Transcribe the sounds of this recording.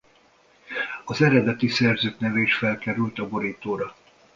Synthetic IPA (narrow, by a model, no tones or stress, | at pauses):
ɒzɛɾɛd̪ɛt̪isɛrzøːk̪nɛvɛiʃfɛlkɛɾylt̪ɒbo̞ɾiːt̪oːɾɒ